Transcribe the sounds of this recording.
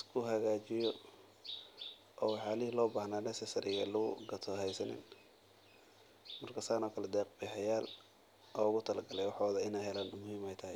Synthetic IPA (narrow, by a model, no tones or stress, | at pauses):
ɪskʰʊɦɐɣaːt͡ʃɪjɔ | ʔɔːwɑħɑːlɪhlɔːbaːhnaːnɛsɛsɐɾʔɪjɛlʊɣʊɡɐt̪ʰɔɦɛjsɐnɪ̰n | mɐrkʰɐsaːnɔːkʰɐlɛd̪ɛːq̚bɪːħɑjaːl | ʔɔːʊɣʊt̪ʰɐlɐɡɐlɛjwɑħɔːðɐɪnɛjɦɛlaːnʊmʊhiːmɛjt̪ʰɐɦɪ